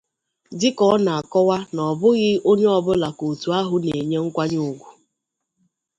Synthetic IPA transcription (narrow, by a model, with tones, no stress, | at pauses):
dɪ˦kɔ˦na˨a˨kɔ˦wa˦nɔ˨bʊ˦ɣɪ˦o˦ɲe˦ɔ˦bʊ˦la˨ko˨tu˨a˦ɦʊ˦ne˨ɲe˦ŋ̩˦kʷa˦ɲʊ˨ɡʷu˨